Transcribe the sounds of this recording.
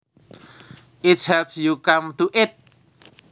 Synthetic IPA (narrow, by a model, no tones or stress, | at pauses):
ɪtshɛpsjukamt̪uʔɪt̪̚